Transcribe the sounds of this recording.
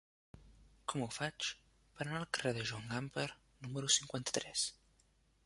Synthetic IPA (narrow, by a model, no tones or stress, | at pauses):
kɔmufat͡ʃ | pəɾənalˠkərɛðəʒaŋɡampəɾ | numəɾusiŋkwant̪ə̥t̪ɾɛs